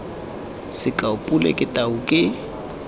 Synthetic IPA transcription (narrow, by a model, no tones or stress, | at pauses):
sɪkʼaʊpʼulḛkʼɪtʼaʊkʼɪ